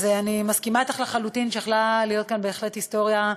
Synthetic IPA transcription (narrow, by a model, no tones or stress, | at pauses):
zeanimaskimaet̪aχlaχalut̪inʃeeχlalijo̞t̪̚kanbeːχlethisto̞ʁja